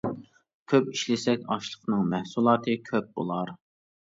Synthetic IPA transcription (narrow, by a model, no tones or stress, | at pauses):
kʲʰøpiʃlɪsɛkʲɑʃlˠəqnɨŋmɛhsulˠɑːt̪ʰɨkʲʰøp̚bo̰lˠɑɾ